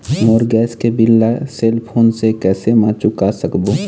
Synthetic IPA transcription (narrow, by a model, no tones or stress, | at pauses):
moːɾɡɛːskebɪlːaseːlpʰoːnsekɛːsemãt͡ʃʊkasəkboː